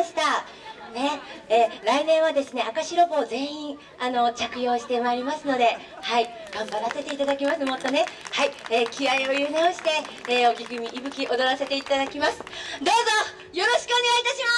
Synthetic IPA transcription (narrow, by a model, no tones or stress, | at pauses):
ɕi̥t̪a | ne̞eːɾainẽ̞ɰ̃βad̪e̞sɨne̞akaɕiɾo̞bo̞ːzẽ̞ĩɴ | ano̞t͡ɕakɯ̟jo̞ːɕi̥t̪e̞maiɾʲimasɨno̞d̪e̞ | hai | ɡ̥ãmbaɾase̞t̪e̞it̪ad̪akʲimasɨmo̞t̪ːo̞ne̞haieːkʲiaio̞jɯ̟neo̞ɕi̥t̪e̞ːo̞kʲiɡɯ̟mʲiʔibɯ̟kʲiʔo̞d̪o̞ɾase̞t̪e̞it̪ad̪akʲimasɨ̥d̪o̞ːzo | jo̞ɾo̞ɕi̥kɯo̞ne̞ɡait̪aɕima